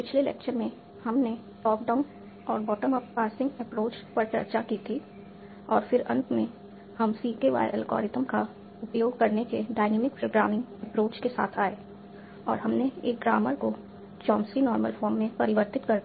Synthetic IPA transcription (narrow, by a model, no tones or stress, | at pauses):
pɪt͡ʃʰlelɛ̰ːkʃənmẽ | hɐmne | lɔːk̚ɖaːʊn | ɔːɾbɔːʈəməppaːɾsɪ̃ŋɡɛpɾoːt͡ʃpɐɾt͡ʃɐ̰ɾt͡ʃakit̪ʰi | ɔːɾfɪɾɐ̰̃nt̪mẽ | hɐmsiːkeʋa̰ːə̰lkɔ̰ːɾɪt̪əmka | ʊpjoːɡ̚kɐɾnekeɖaːɪneːmɪk̚pɾoːɡɾaːmɪ̃ŋɡɛpɾoːt͡ʃkesa̰ːt̪ʰaːe | ɔ̰ːɾɦɐmneeːk̚ɡɾaːməɾko | t͡ʃɔ̃ːmsinɔːɾməlfɔːɾmːẽpɐɾɪʋəɾt̪ɪt̪kɐɾd̪